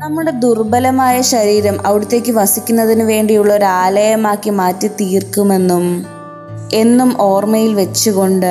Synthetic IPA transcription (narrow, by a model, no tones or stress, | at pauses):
nɐmːuɽe̞d̪urbɐlɐmaːjɐɕɐɾiːɾɐmʔɐʋiɽut̪ːe̞ːkʲːɨʋɐsikʲːunːɐðinɨʋe̞ːɳɖijuɭːɐo̞ɾuaːlɐjɐmaːkːimaːtːɨt̪iːrkume̞nːum | e̞nːumʔo̞ːrmɐjilʋe̞t͡ɕːuɣo̞ɳɖɨ